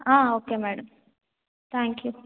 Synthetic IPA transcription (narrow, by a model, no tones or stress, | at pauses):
ãːoːkemɛːɽɐm | t̪ʰæːŋkju